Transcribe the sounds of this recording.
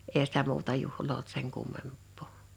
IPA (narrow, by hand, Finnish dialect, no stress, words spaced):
eːhæ sitæ muːtɑ juhloː olt seŋ kumːempˑoˑ